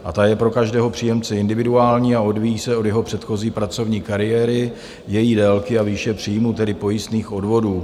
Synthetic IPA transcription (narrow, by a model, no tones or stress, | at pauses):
ʔat̪ajɛpɾo̞kaʒdɛːɦo̞pr̝̥ijɛmt͡sɛɪndɪvɪduaːlɲiːao̞dvijiːsɛo̞djɛɦo̞pr̝̥ɛt̪xo̞ziːpɾat͡so̞vɲiːkaɾɪjɛːɾɪ | jɛjiːdɛlkɪaviːʃɛpr̝̥ijmuːt̪ɛdɪpo̞jɪst̪niːxʔo̞dvo̞duː